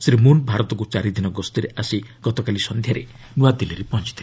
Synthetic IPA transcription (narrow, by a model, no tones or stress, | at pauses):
sɾimunbʱaɾɔt̪ɔk̬ut͡ʃaɾid̪inɔɡɔst̪iɾeasiɡ̥ɔt̪ɔkalisɔnd̪ʱjaɾe | nuad̪iliɾepɔnt͡ʃi̥t̪ʰile